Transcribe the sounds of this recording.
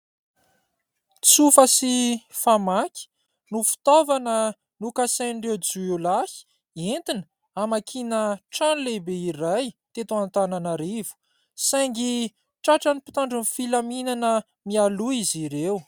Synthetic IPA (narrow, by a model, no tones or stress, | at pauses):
t͡sufəsifamaki̥ | nufi̥t̪ovanə | nukaseɳɖ͡ʐed͡zuewlahi̥ | ent̪inə | amakʰinəʈ͡ʂanlebeiɾajt̪et̪oant̪ananaɾivu̥ | saŋɡi | ʈ͡ʂaʈ͡ʂənipi̥t̪aɳɖ͡ʐunfilaminanə | mialuiziɾew